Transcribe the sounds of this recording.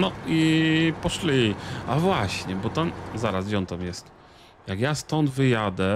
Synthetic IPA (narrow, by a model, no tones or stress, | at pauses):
nɔipɔʂlʲiavwaɕɲɛbɔt̪amzaɾasd͡ʑɔnt̪amjɛst̪ | jakjast̪ɔnd̪vɘjad̪ɛ